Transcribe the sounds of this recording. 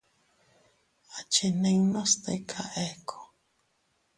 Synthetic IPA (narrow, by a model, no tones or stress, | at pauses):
at͡ʃeneinost̪ḛkʰaʔekʰo̥